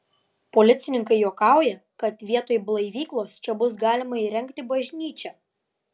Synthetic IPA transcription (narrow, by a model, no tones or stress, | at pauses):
polʲɪt̪sʲɪnʲɪŋkɐɪjuɔkɑˑʊjɛ | kɐt̪ʋʲiɛt̪oːjblˠɐɪʋʲiːklˠoːst͡ʃʲɛbʊs̬ɡɑːlʲɪmɐiːɾʲɛŋʲkt̪ʲɪbɐʒʲnʲiːt͡ʃʲɛ